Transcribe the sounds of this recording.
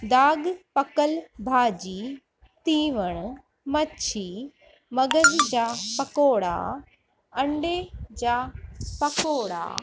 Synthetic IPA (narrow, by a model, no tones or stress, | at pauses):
d̪aːɡpɐkəlbʱaːd͡ʑiː | t̪iːʋəɽ̃ | mɐt͡ʃʰiː | mɐɡəzd͡ʑaːpɐkoːɽa̰ː | ɐ̃ɳɖeːd͡ʑaːpɐkoːɽa̰ː